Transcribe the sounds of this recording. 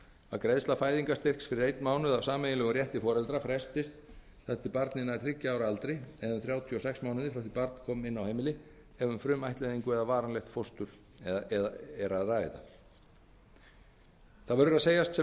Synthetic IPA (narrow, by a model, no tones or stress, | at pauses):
a̰kɾeðslafaːjðiŋkast̪ɪr̥ksfɪɾɪɾejt̪nmaːwnʏðavsaːmɛjɪlɛɣʏrjɛht̪ɪfɔːɾɛlt̪ɾafɾɛst̪ɪst̪ | θɛht̪ɪpaɾt̪nɪnḁɪcːɪaːwɾaalt̪ɾeɛðʏnθɾjaːwt̪ʰjɔsɛksmawnɪðɪfɾawθipaɾt̪n̥kʰɔːmɪnːawhejmɪlɪ | ɛvʏmfɾʏmajht̪lɛjðiŋkʏɛðavaːɾanlɛxt̪fowst̪ʏɾ̥ | ɛɾaðraːjɪða̰ | θaðvœɾðʏɾaseːjast̪sɛ